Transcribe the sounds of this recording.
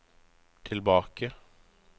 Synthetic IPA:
t̪ʰɪlbɑːkə

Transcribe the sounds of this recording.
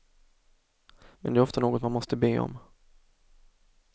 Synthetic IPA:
mɛ̰nd̪ɛːɾɔft̪anoːɡɔt̪manmɔst̪əbeːɔ̰m

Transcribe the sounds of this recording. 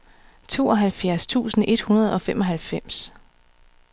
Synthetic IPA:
t͡sʰo̝̰ːɒ̽ɦælfjæɐst͡sʰṵːsn̩e̝d̥hunɐð̞̩ˠɒ̽femʔɒ̽ɦælfem̰s

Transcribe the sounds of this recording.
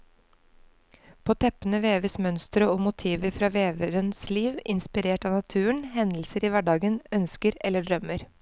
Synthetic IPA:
pʰoːt̪ʰɛpənəʋeːʋəsmœnst̪ɾəoːmʊt̪ʰiːʋəɾfɾɑːʋeːʋəɾənsliːʋɪnspɪɾeːʈɑːnɑt̪ʰʉːəɳhɛnl̩səɾiːʋæɖɑːɡənœnskəɾɛlːəɖɾœməɾ

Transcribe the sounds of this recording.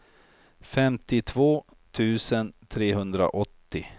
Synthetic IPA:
fɛmt̪ɪt̪ʰvoː | t̪ʰʉ̟ːsənt̪ʰɾeːɦɵnd̪ɾa̰ʔɔt̪ːɪ

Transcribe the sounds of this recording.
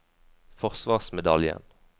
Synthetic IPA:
fɔʁsʋɑːʁsmɛd̪ɑljə̰n

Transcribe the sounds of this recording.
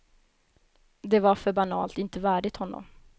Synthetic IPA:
d̪ɛvaɾfœɾbanɑ̰ːlt̪ɪnt̪əvæːɖɪt̪hɔnːɔ̰m

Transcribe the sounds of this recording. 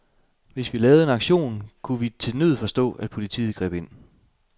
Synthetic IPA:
ʋe̝sʋilɛːʊð̩ˠe̝nɑ̈ɡ̥ɕo̝̰ːnkʰuʋit͡sʰe̝nyð̰ˠfɒ̽sd̥ɔ̰̽ːæd̥̚pʰo̝lit͡sʰḭːð̩ˠɡ̥ʁɛ̰ːb̥e̝n̰

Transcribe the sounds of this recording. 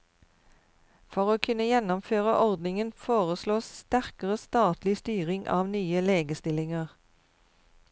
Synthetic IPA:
fɔʁoːkʰʉnəjɛnɔmføːʁəʔɔʁd̪nɪŋənfoːʁəsloːst̪æʁkəʁəst̪ɑːt̪lɪst̪yːʁɪŋʔɑ̰ːʋnyːəleːɡəst̪ɪlɪŋəʁ

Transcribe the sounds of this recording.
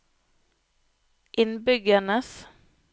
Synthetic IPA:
ʔɪnbʏɡəɳəs

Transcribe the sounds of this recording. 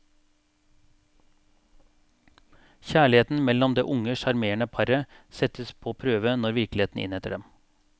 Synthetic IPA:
çæːɭɪheːt̪n̩mɛlːɔmd̪ḛːʔʊŋəʃɑɾmeːɳəpʰɑɾəsɛt̪əspʰoːpʰɾøːʋənɔɾʋɪɾklɪeːt̪n̩ɪ̰nhɛt̪əɖɛm

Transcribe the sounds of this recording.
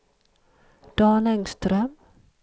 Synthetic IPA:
d̪̥ɑːnɛŋst̪ɾœm

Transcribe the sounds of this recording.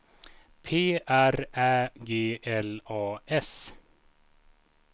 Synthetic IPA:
pʰeːʔæɾæːɡeːʔɛlɑːʔɛs

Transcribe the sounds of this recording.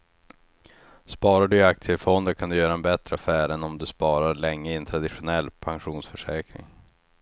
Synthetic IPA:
spɑːɾaɖɵɪakt̪sɪəfɔnd̪əɾkʰand̪ɵjœːɾaɛnbɛt̪ɾəafæːɾɛnɔmd̪ɵspɑːɾaɾɭɛŋːəɪnt̪ʰɾad̪ɪɧʊnɛlːpʰaŋɧuːnsfœʂɛːkɾɪ̰ŋ

